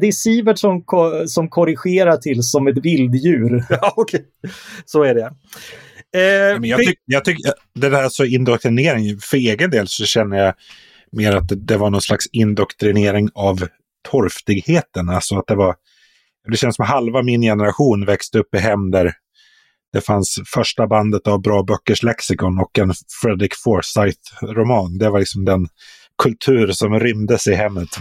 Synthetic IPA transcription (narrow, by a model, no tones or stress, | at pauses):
d̪ɛsiːvəʈʂɔmkʰsɔmkʰɔɾɪɧeːɾaʈʰɪlsɔmɛt̪vɪld̪jʉ̟ːɾkʰɛ | sɔæɖɛ | mɛnjɑʏjɑɡt̪ʰʏkː | d̪ɛd̪æːsɔɪnd̪ɔkt̪ɾɪneːɾɪŋfœɾeːɡənd̪eːlsɔɕɛnːəja | meːɾat̪̚d̪ɛvaɳɔnslaksɪnd̪ɔkt̪ɾɪneːɾɪŋav | t̪ʰɔɾft̪ɪɡheːt̪ənalsɔat̪̚d̪ɛvaɾ | d̪ɛɕɛnəsɔmɦalvamɪnjɛnəɾaɧuːnvɛkst̪əɵpːɪɦɛmːd̪æɾ | d̪̥ɛfansfœʂʈaband̪ət̪avbɾɑːbœkːəʂlɛksɪkɔnɔkːɛnfɾɛd̪ɾɪkfɔːsajθɾʊmɑːnd̪ɛvalɪksɔmd̪ɛn | kʰɵlt̪ʰʉ̟ːɾsɔmɾʏmd̪əsɪɦɛmːət̪